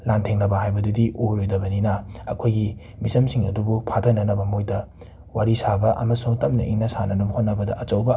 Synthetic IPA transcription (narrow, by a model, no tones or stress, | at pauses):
lantʰeŋnɐbɐhajbɐdudiʔoɾojdɐbɐninɐɐ̰kʰojɡi | mizɐmsiŋɐ̰dubupʰatʰɐnɐnɐbɐmojdɐ | waɾisabɐʔɐ̰mɐsuŋtɐmnɐiŋnɐsanɐnɐbɐhot̚nɐbɐdɐ̰ʔɐt͡ʃɐwbɐ